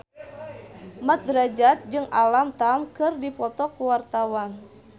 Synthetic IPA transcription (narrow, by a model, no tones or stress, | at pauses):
mat̪̚dɾad͡ʒat̪̚d͡ʒɨŋalamt̪amkɨrdipɔt̪ɔkuwart̪awan